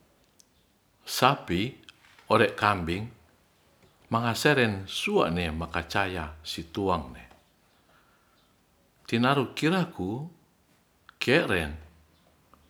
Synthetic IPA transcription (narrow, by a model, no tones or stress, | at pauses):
sapi | ɔɾɛʔkambiŋ | maŋasɛɾɛnsua̰ʔnɛmakat͡ʃajasit̪uaŋnɛ | t̪inaɾukiɾaku | kɛʔɾɛn